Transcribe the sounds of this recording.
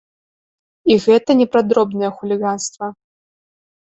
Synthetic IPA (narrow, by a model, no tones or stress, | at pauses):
iɣɛt̪ɐnʲɛpɾad̪ɾɔbnɐjɐxulʲiɣanst̪vɐ